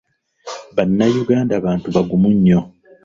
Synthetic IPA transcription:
βanːajuɡaːndaβaːntuβaɡumuɲːo̞

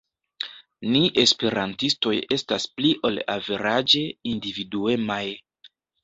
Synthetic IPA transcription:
niʔe̞spe̞ɾantisto̞je̞staspliʔo̞la̰veɾad͡ʒe̞individue̞maj

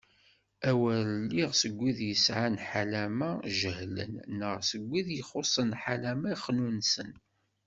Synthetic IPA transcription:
æwælːiʁsəɡʷːiðjəsʕanħalæmæʒəhlə̰nːəʁsəɡʷːiðjəχosˤənħalæmæχːnunsən

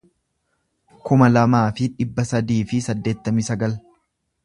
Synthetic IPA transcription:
kʊmɐlɐmaːfɪᶑɪbːɐsɐd̪iːfɪsɐd̪ːe̞ːt̪ːɐmɪsɐɡɐl

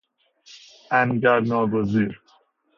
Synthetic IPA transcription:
ænɡæɾnɒːɡoziːɾ

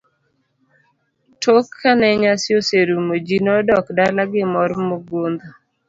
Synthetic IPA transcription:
tʰokʰːanɛɲasjoseɾumod͡ʒinɔdɔkdalaɡɪmɔɾmoɡond̪o

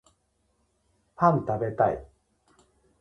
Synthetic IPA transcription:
hãnt̪abe̞t̪aḭ

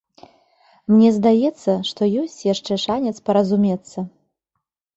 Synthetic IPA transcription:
mnʲɛzd̪ajɛt̪sːɐʂt̪ɔjɔsʲt͡sʲjaʂt͡ʂɛʂanʲɛt̪spɐɾɐzumʲɛt̪sːɐ

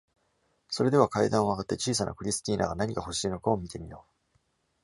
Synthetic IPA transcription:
so̞ɾe̞d̪e̞βakaid̪ãɰ̃oβaɡat̪ːe̞t͡ɕiːsanʔa̰kɯ̟ɾʲisɨ̥t̪ʲiːna̰ɡanaɲ̟ikaho̞ɕiːno̞kaomʲit̪e̞mʲijo̞ː

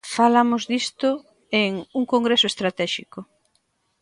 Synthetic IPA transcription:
falamʊzðist̪ʊ | eŋuŋkoŋɡɾesʊest̪ɾat̪ɛʃikʊ

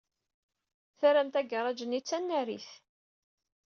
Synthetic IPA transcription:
θæɾæmt̪æɡəˤɑd͡ʒənit͡sːænːæɾḭθ

